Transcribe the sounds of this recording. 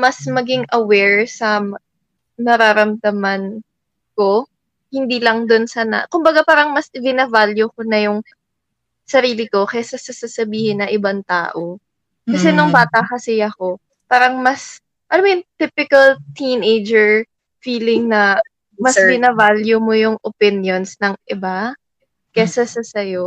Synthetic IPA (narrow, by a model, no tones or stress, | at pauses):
mɐsmɐɡɪŋʔɐwɛɹsɐm | nɐɾaɾɐmd̪ɐmɐn | ko̞ | hɪnd̪iːlɐŋd̪onsɐnɐ̰kʊmbɐɡapaːɾɐŋmɐsɪɡɪnɐvaljʊkonɐjʊŋ | sɐɾiːlɪko̞kɐjasɐsɐsasɐbiːhɪnːɐʔɪbant̪a̰ːʔo | kkɐsɛnʊŋbaːt̪ɐkɐsɪɐko̞ | paːɾɐŋmɐs | ʔɐlomojʊŋt̪ɪpɪkɐlt̪inejd͡ʒɛɹ | fiːlɪŋnɐ | mɐsɡɪnɐvaljʊmojʊŋʔopɪnjo̞nsnɐŋʔɪba | kɛsɐsɐsɐjo̞